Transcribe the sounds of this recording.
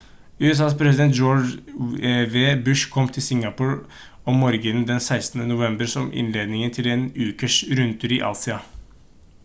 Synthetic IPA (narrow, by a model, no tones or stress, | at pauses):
ʉːɛs̬ɑːspʰɾɛsɪd̪ɛnt̪̚d͡ʒoː | ʋeːbʉʂkʰɔmt̪ʰɪlsɪŋɑpʊɹ | ɔmɔɾɡənd̪ɛnsæɪst̪n̩ənʊʋɛmbəɾsɔmʔɪ̰nleːd̪nɪŋənt̪ʰɪleːnʉːkəʂɾʉnt̪ʰʉɾiʔɑ̰lsɪɑ